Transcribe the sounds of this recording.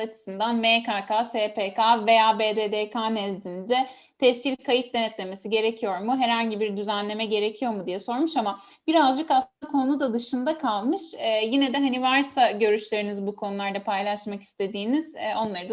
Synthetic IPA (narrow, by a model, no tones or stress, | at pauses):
at͡ʃʰɯ̥sɯnd̪anmekaːkaːseːpʰekave̞jaːbeːd̪eːd̪ekʰaːnɛzd̪inid̪ɛ | t̪ʰɛʃcʲilʲkʰajit̪̚d̪ʲɛnɛt̪lʲe̞mesiɟe̞ɾecʰijo̞ɾmuɦɛɾhaɲɟibiɾd̪yzænlʲe̞mɛɟe̞ɾe̞cʰijo̞ɾmud̪ijɛso̞ɾmuʃama | b̥iɾazd͡ʒɯkaslˠɯakʰo̞nud̪ad̪ɯʃɯnd̪akʰalˠmɯʃɛːjinɛd̪ɛɦanivaɾsaɟø̞ɾyʃlʲe̞ɾinizbukʰo̞nulˠaɾd̪apʰajlˠaʃmaki̥st̪ʰe̞d̪iːniz̥o̞nlˠaɾɯd̪a